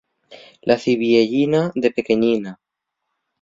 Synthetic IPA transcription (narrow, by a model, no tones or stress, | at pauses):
lʔaθiβieʎinaðe̞pe̞ke̞ɲina